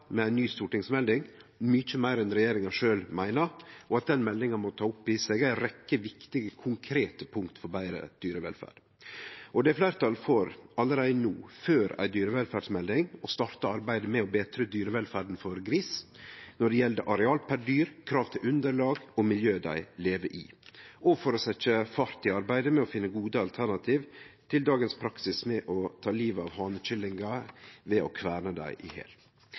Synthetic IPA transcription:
mɛæɪnyːst̪uːʈɪŋsmɛld̪ɪŋmʏt͡ʃəmæɪɾɛnɾɛjeːɾɪŋɑʂøːlmæɪnəɾɔɑt̪̚d̪ɛnmɛlːɪŋɑmɔt̪ʰɑːʊpːɪsɛɡæɪɾɛkːəʋɪkt̪ɪɡəkʰʊŋkʰɾeːt̪əpʰʊŋkt̪fɔɾbæɪɾə̰d̪̥yːɾəʋɛ̰lfæ̰ːɖ̥ | ɔd̪ɛflæɪɾət̪ʰɑlfoːɾɑlːəɾæɪnuːføːɾæ̰ɪd̪yːɾəʋɛlfæɖsmɛld̪ɪŋɔst̪ɑːɾt̪əɑɾbæɪd̪əmɛɔbeːt̪ʰɾəd̪yːɾəʋɛlfæɖn̩fɔɾɡɾiːsnɔɖɛjɛld̪ə̰ʔɑɾɛɑːlpʰæɖyːɾkʰɾɑːʋt̪ʰɪlʉnd̪əɭɑːɡɔmɪljøːd̪æ̰ɪleːʋəʔɪ̰ːʔɔfɔɾɔsɛt͡ʃəfɑɾt̪ɪɑɾbæɪd̪əmɛɔfɪnːəɡuːd̪əɑlt̪ʰæɾɳɑt̪ʰiːʋt̪ʰɪld̪ɑːɡənspʰɾɑksɪsmɛʔɔt̪ʰɑːliːʋɑʋhɑːnət͡ʃɪlːɪŋɡɑʋɛʔɔ̰kʰʋæːɾnəd̪æ̰ɪʔɪhḛːl

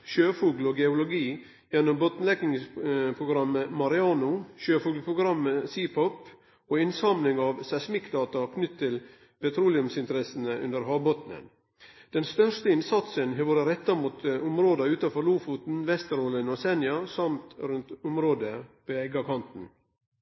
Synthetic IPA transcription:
ʃøːfuːɡloːɡɛʊlʊɡiː | jɛnːɔmbɔt̪n̩lɛɡɪŋpʰɾʊɡɾɑmːəmɑɾɪɑːnʊʃøːfuːɡlpʰɾʊɡɾɑmːəsiːpʰɔp | oːɪnsɑmnlɪŋɑːʋsæsmɪkːd̪ɑːt̪ɑkʰnʏt̪ʰːɪl | pɛt̪ʰɾuːlɪʉmsɪnt̪əɾɛsən̩əʔʉ̰nd̪əɾɦɑːbɔt̪nə̰n | d̪̥ɛnst̪œʂt̪əɪnsɑt̪sənhɑʋoːɾəɾɛt̪ːɑmuːt̪ʊmɾoːd̪ɑʉːt̪ɑfɔɾluːfut̪n̩ʋɛst̪əɾoːlənoːsɛnjɑsɑmt̪ɾʉnt̪ʊmɾoːd̪əpoːɛɡɑkʰɑnt̪n̩

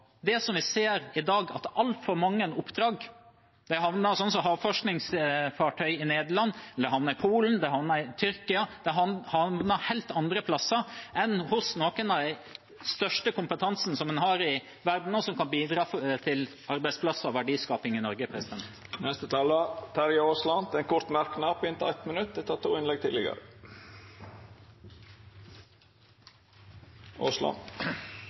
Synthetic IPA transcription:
d̪ɛsɔmʋɪseːɾɪd̪ɑːɡɑ̰t̪ɑlt̪fɔɾmɑŋːənʊpːd̪ɾɑːɡ | d̪̥ɛɦɑʋnəɾsɔns̬ɔɦɑːʋfɔʂknɪŋsfɑʈʰœʏɪneːd̪əɭɑnːd̪ɛɦɑʋnəɾɪpʰuːln̩d̪ɛɦɑʋnəɾɪt̪ʰʏɾkɪɑd̪̥ɛɦɑhɑʋnəɾhɛɪlt̪ɑnd̪ɾəpʰlɑsːəɾʔɛnhʊsnoːkənɑd̪æɪ | st̪œʂʈəkʊmpət̪ʰɑnsn̩sɔmd̪ɛnɦɑɾɪ | ʋæɾd̪n̩ɔsɔmkɑnbiːd̪ɾɑːft̪ʰɪl | ɑɾbæɪspʰlɑsːəɔʋæɖiːskɑːpɪŋɪnɔɾɡəpʰɾɛsɪd̪ɛnt̪nɛst̪ət̪ʰɑːlət̪ʰæɾjoːslɑnd̪ɛnkʰʊɾt̪mæɾkənɑːpʰɪnt̪ːɛt̪mənʉt̪̚d̪ɛt̪ʰɑːt̪ʰuːɪnlɛɡ̚t̪ʰɪːlɪɡə̰ɾə̰ | ʔo̰ːslɑ̰n

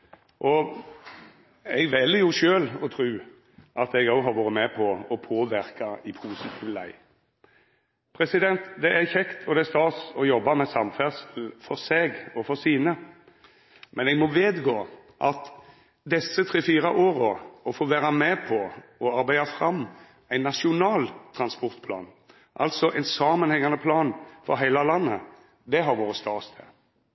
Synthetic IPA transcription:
ʔɔ | ɛɡʋɛlːjʊʃøːlɔt̪ʰɾʉː | ʔɑt̪ɛɡɑʊɦɑɾʋoːɾəmɛpʰɔɔpʰoːʋɪɾkɑɪpʰuːsɪt̪ʰiːʋlæ̰ɪ | pʰɾɛsɪd̪ɛnt̪d̪ɛʔæçɛkt̪ʰɔd̪ɛæst̪ɑːt̪sɔjɔbːɑmɛsɑmfæʁsl̩fɔɾseːɡɔfɔɾsiːnə | mɛnɛɡmɔʋeːd̪ɡoː | ʔɑt̪ | d̪ɛsət̪ʰɾeːfiːɾɑʔoːɾoɔfoːʋæːɾɑmɛpʰɔɔɑɾbæɪd̪ɑfɾɑm | æɪnːɑʂɪʊnɑːlt̪ʰɾɑnspɔʁt̪pʰlɑ̰ːn | ʔɑ̰lt̪sɔʔæɪnsɑːmənhɛŋːɑnəpʰlɑːnfɔ̰ɾɦæɪlɑlɑnːə̰ | d̪ɛɦɑɾʋoːɾəst̪ɑːst̪ʰɛ̰

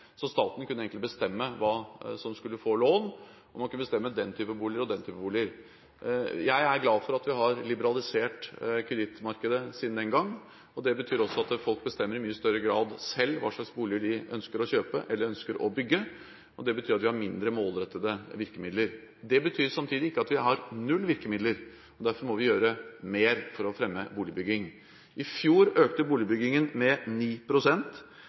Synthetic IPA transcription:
sɔst̪ɑːt̪nkʰʉnːəɛːŋk̪t̪ɪbəst̪ɛmːəʋɑːsɔmskʉlːəfoːloːn | ɔmːɑnkʰʉnəbəst̪ɛmːəd̪ɛnt̪ʰyːpəbuːlɪəɾɔd̪ɛnt̪ʰyːpəbuːlɪəɾ | jæɪæɾɡlɑːfɔɾɑt̪ʋɪɦɑɾlɪbəɾɑlɪseːʈkʰɾɛd̪ɪt̪ːmɑɾkəd̪əsiːd̪nd̪ɛnɡɑŋː | ɔd̪ɛbət̪ʰyːɾɔsːɔɑt̪fɔlk̚bəst̪ɛmːəɾɪmyːəst̪œɾːəɡɾɑːd̪sɛlːʋɑ̰ːʂɭɑksbuːlɪəɖɪʔœnskəɾɔçøːpəʔɛlːəɾœnskəɾɔ̰bʏɡːə | ʔɔd̪ɛbət̪ʰyːɾɑt̪ʋɪhɑɾmɪnd̪ɾəmoːlɾɛt̪ːəd̪əʋɪɾkəmɪd̪ləɾ | d̪ɛbət̪ʰyːɾsɑmt̪ʰiːd̪ɪɪkːəɑt̪ʋɪhɑɾnʉlːʋɪɾkəmɪd̪ləɾ | ɔd̪æɾfɔɾmɔʋɪjøːɾəmeːɾfɔɾɔfɾɛmːəbuːlɪbʏɡːɪŋ | ʔɪfjuːɾøːkt̪əbuːlɪbʏɡɪŋənmɛniːpʰɾʊsɛnt̪

